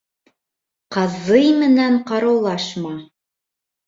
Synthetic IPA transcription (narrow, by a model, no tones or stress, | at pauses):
qɑzɤjmɘ̆næɴqɑɾɑwlˠɑʃmɑ